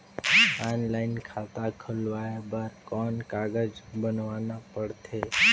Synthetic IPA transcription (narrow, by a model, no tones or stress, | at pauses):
anlaɪnkʰat̪akʰəlʋajabaɾkɔnkaɡəd͡ʒbənʋanapəɽt̪ʰe